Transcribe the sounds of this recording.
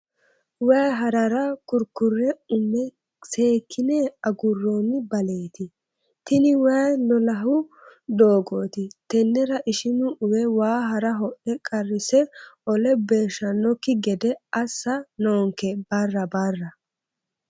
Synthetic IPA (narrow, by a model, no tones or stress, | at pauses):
wɐjɦɐɾɐɾɐkʊɾkʊrːɛʊmːɛ | se̞ːkʰːɪneɐɡʊrːonːɪbɐle̞ːt̪ɪ | t̪ɪnɪwɐjlɔlɐɦʊ | d̪o̞ːɡo̞ːt̪ɪt̪ɛnːɛɾɐʔɪʃɪnʊʔʊwɛwaːɦɐɾɐɦɔʔɛkʼɐrːɪsɛɔlɛbe̞ːʃɐnːɔkːɪɡɛd̪ɛɐsːɐnoːŋkɛb̥ɐrːɐbɐrːɐ